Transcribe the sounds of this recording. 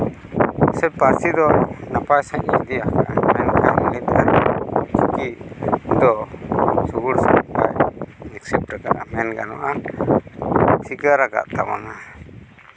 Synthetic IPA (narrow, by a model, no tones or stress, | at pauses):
sɛpaɾsid̪ɔnapajsaɲid̪iakaʔamɛnkamulit̪at͡ʃikiʔd̪ɔ | suɡuɾsaka̰jmɛksɛp̚ʈakaʔamɛnɡa̰nɔ̰ʔa | siɡaɾaɡa̰ʔt̪a̰ma̰na